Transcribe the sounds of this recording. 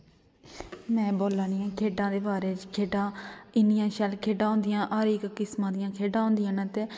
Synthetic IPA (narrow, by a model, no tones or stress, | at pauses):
mɛ̃ːboːlaːnijãːkʰeːɖãːd̪eːbaːɾeːt͡ʃkʰeːɖãːɪnjãːʃəlkʰeːɖãːʊ̃nd̪ɪjãːʔəːɾekkɪsmãːd̪ɪjãːkʰeːɖãːʊ̃nd̪ɪjãːnət̪eː